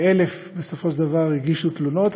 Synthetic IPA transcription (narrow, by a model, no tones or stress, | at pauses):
ele̞f | be̞sofo̞ʃdavaʁiɡiʃut̪luno̞t̪